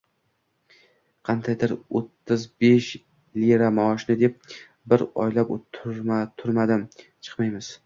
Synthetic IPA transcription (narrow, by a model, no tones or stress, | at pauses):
qʰɑnd̪ʰajd̪ɪɾot̪ːɪzbeʃ | liɾamaɒʃnɪd̪ep̚ | bɪɾɒ̰jlapot̪ʰːʊɾmat̪ʰʊɾmad̪ɪm | t͡ʃʰɨ̥qmajmɪz̥